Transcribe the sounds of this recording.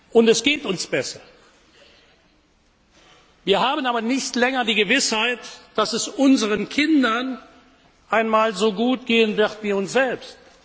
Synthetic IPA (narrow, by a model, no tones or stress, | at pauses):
ʔʊntɛsɡ̥eːtʊnsb̥ɛsɐ | viːɐhaːbənaːbɐnɪçtlɛŋɐdiːɡəvɪshaɪtd̥asɛsʔʊnzəʁənkʰɪndɐn | ʔaɪnmaːlzoːɡuːtɡ̥eːənvɪʁtviːʊnsz̥ɛlpst